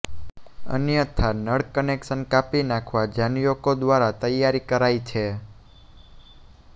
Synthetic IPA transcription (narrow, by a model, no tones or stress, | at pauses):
ə̰njət̪ʰanəɽkənekʃənkapinakʰʋad͡ʒanjokod̪ʋaɾat̪əjːaɾikəɾajt͡ʃʰe